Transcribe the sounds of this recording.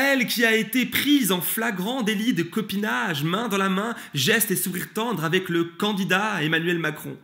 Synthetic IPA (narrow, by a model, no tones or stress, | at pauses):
ɛlkʲiaet̪epχizɑ̃flaɡʁɑ̃d̪elid̪əkɔpinaʒmɛ̃d̪ɑ̃lamɛ̃ | ʒɛst̪esuʁiʁt̪ɑ̃d̪ʁavɛkləkɑ̃d̪id̪aemanyɥɛlmakχɔ̰̃